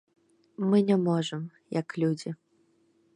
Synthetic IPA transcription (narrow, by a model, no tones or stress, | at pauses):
mɨnʲamɔʐɐm | jɐklʲud͡zʲi